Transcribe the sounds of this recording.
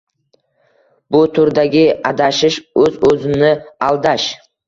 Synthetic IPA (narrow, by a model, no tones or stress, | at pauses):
bʊt̪ʰʊɾd̪aɡʲɪad̪aʃɪʃɵzɵzɪnɪalˠd̪aʃ